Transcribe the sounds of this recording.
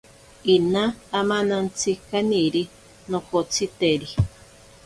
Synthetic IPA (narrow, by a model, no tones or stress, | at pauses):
inãːmãnãnt͡sikanĩɾi | nõkot͡sit̪eɾi